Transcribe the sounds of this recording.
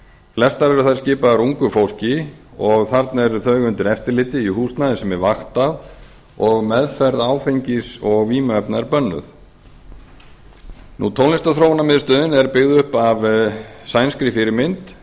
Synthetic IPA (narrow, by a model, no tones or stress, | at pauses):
flɛst̪aɾɛɾʏθaðɾscɪːpaðɾuŋkʏfowl̥cɪɔɣθaɾt̪nɛɾθœɥɣʏnt̪ɪɾɛft̪ɪɾlɪːt̪ɪihuːst̪naðɪsɛmɛɾvaxt̪að | ɔɣmɛðfɛɾðaːwfejɲcɪsɔɣviːmɛpnaɛɾpœnːʏ̰θ | nut̪ʰowlɪst̪aθɾoːwnamɪðst̪œːðɪnɛɾpɪɣðʏhpavsaːjnskɾɪfɪɾɪmɪnt̪